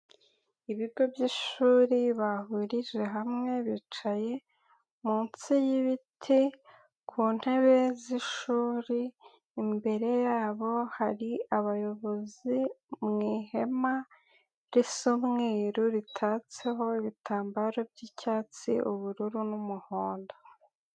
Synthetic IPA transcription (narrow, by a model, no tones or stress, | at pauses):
iβiɾɡo̞bɟiʃuːɾiβahuɾid͡ʒe̞ɦamŋe̞βiːt͡ʃaje̞ | munt͡sijiβitʰi | kʰuːn̥he̞βe̞ziʃuːɾiː | mbe̞ɾe̞jaːβo̞haɾiaβajo̞βo̞zimŋiːhe̞ma | ɾisumŋiːɾuɾitʰaːt͡se̞ɦo̞iβitʰaːmbaɾo̞b̚ɟicaːt͡sḭʔuβuɾuɾunumuhoːndo